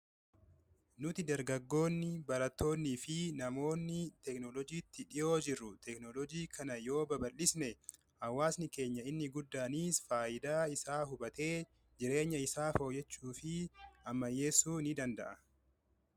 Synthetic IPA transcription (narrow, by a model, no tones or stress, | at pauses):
nʊt̪ɪd̪ɐɾɡɐɡːo̞ːnːɪbɐɾɐt̪ʰːo̞ːnːiːfɪnɐmo̞ːnːɪt̪ɛknɔlɔd͡ʒiːt̪ʰːɪᶑɪjo̞ːd͡ʒɪrːʊt̪ɛknɔlɔd͡ʒiːkʰɐnɐjo̞ːbɐbɐlːɪsnɛ | hɐwːaːsnɪke̞ːɲːɐɪnːɪɡʊd̪ːaːniːsfaːʔɪd̪aːɪsaːɦʊbɐt̪e̞ː | d͡ʒɪɾe̞ːɲːɐɪsaːfo̞ːjɛt͡ʃːuːfɪʔɐmːɐjːe̞ːsːuːnɪd̪ɐnd̪ɐ̰ʔɐ